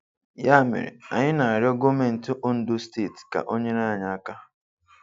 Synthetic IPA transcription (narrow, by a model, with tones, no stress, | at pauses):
ja˦˨mɪ̰˨ɾɪ̰˨a˨ɲɪ˦na˨a˨ɾɪ˦ɔ˦ɡo˦me˦n̩˨tʊ˦ʔo˦n̩˦dʊ˦ste˦˨tka̰˨ʔo˦ɲe˦ɾa˦˨ɲa˨a˦ka˦